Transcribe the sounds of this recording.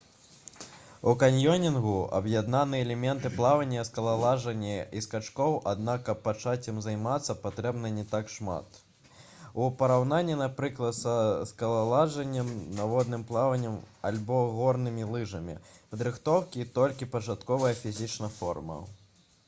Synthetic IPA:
ukanʲjɔnʲinɣuɐ̰bjad̪nanɨɛɛlʲɛmʲɛnt̪ɨplˠavɐnʲːɐskɐlˠalˠaʐɐnʲːɐiskat͡ʂkɔwʔad̪nakɐpːat͡ʂat͡sʲɐmzajmat̪sːɐpat̪ɾɛbnɐnʲɛt̪akʂma̰t̪ | upɐɾawn̪anʲːinapɾɨklˠɐt̪sɐskɐlˠalˠaʐɐnʲːɐmnavɔd̪nɨmplˠavɐnʲːɐmalʲbɔɣɔrnɨmʲilˠɨʐɐmʲḭpɐd̪ɾɨxt̪ɔwkʲit̪ɔlʲkʲipɐt͡ʂat̪kɔvɐjɐfʲizʲit͡ʂnɐfɔ̰rmɐ̰

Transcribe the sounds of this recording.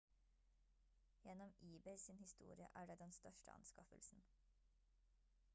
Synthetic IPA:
jɛnɔmʔiːbɛɪsɪnhɪst̪ṵːɾɪə̰ʔæːɖeːd̪ɛnst̪œʃʈəɑ̰nskɑfə̰lsn̩

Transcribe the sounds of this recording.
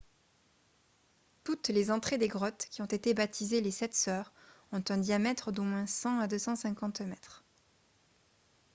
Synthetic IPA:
t̪ut̪lezɑ̃t̪χed̪eɡʁɔt̪kʲiɔ̃t̪et̪ebat̪izelesɛt̪sœʁɔ̃t̪ɛ̃d̪jamɛt̪χd̪omwɛ̃sɑ̃ad̪øsɑ̃sɛ̃kɑ̃t̪mɛt̪χ

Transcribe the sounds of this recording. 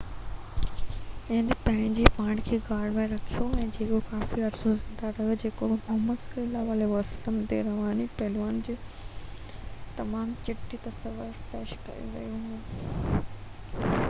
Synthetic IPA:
ɪnpɐ̃ɦɪ̃ɲd͡ʑipãːɳɖkʰeːɡaːɽmẽɾɐkʰijoɛ̃ːd͡ʑeːkokaːfiɐɾsozɪ̃nd̪aɾɐɦijod͡ʑeːkomʊɦmət̪slaʋaːleʋɐsləmt̪eɾɐʋaːnipɐɦlʋaːnd͡ʑeː | t̪ɐmaːmt͡ɕɪʈːit̪ɐsəʋəɾpeːʃkɐ̰jṵ̃ʋɐ̰jũɦũː

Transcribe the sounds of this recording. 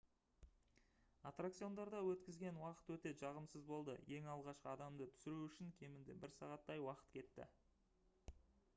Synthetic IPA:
at̪rak̚t̪sijo̞nd̪ɑɾd̪ɑwɵt̪kʲɪzɡʲe̞nwɑqə̥t̪wɵt̪e̞ʒɑʁəmsəzbo̞lˠd̪ə̰je̞ŋɑlˠʁɑʃqəɑd̪ɑmd̪ət̪ʰʏ̥sɪɾuʏʃɪŋkʲʰe̞mɪnd̪ebɪɾsɑʁɑt̪ːɑjwɑqə̥t̪kʲʰe̞t̪ːɪ̰

